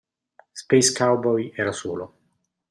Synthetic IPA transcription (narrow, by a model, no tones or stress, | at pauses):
spejskawbɔjɛːɾasuːlo